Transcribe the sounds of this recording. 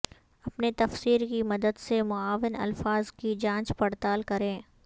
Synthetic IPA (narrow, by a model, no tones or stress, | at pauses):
ɐpnet̪ɐfsiːɾkimɐd̪əd̪semʊaːʋɪnɐ̰lfaːzkid͡ʒãːt͡ʃpɐɽt̪aːlkɐɾẽː